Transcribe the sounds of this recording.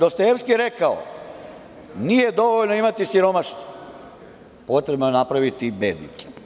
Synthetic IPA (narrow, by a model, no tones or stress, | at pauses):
d̪okst̪aefskiɾekao̰ | nijed̪o̞ʋoʎnoimat̪isiɾomaʃt̪o̥ | po̞t̪ɾebnonapɾaʋit̪ibeːd̪nḭk̪e̥